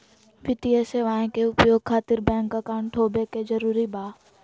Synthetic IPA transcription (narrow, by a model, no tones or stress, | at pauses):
ʋɪt̪ieseʋãːɦẽkeʊpjoːɡ̚kʰaːt̪ɪɾbɛ̃ːŋkɐkaːʊ̃ɳʈʈʰoːbekezɐɾuːɾibʱaː